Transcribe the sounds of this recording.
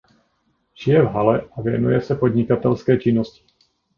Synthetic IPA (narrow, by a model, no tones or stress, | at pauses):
ʒɪjɛvɦalɛʔavɪɛnujɛsɛpɔd̪ɲikat̪ɛlskɛːt͡ʃinːɔsci̥